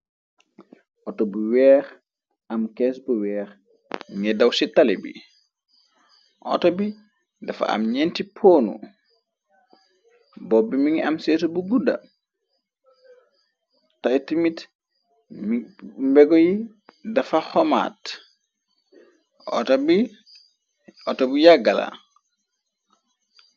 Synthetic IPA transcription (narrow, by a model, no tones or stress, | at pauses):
ʔɔtɔbuwɛːɾ | ʔɐmkɛsbuwɛːɾ | ŋɛdɐwsitalɛbḭ | ʔɔ̰tɔbi | dɐfa̰a̰mɲɛntipʰoːnṵ | bɔbimiŋɐmsɛːsubuɡudɐ̰ | tajtimit | mbɛɡɔji | dafaxɔma̰ːt | ɔ̰tabi | ɔtɔbujaɡala̰